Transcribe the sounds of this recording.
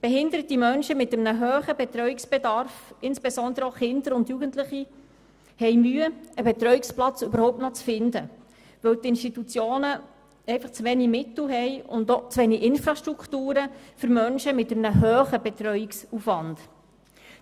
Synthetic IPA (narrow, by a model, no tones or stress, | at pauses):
b̥ɛɦɪndəɾətimœnʃəmɪtəmnəɦøːχəbɛt̪ɾœʏɥiksb̥ɛdɑɾfɪnsb̥esɔnd̪əɾəoχɪnd̪əɾʊndjuɡəntlɪχi | hɛjmyːəəbɛt̪ɾœɥiksplɑt͡søbəɾhɔʊp̚tnɔt͡sfɪndə | ʋɵwt̪ɪnʃtitut͡sjoːnə | ɛɪfɑχt͡sʋɛnimɪtl̩ɦɛjʊndot͡sʋɛniʔɪnfɾɑʃtɾuktuːɾəfʏɾmœnʃəmɪtəmnəɦøːχəbɛt̪ɾœɥiksufʋɑnd̥